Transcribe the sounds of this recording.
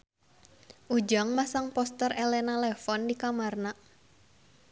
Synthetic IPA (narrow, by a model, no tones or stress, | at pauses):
ʔud͡ʒaŋmasaŋpɔst̪ərelɛnalɛfɔndikamarna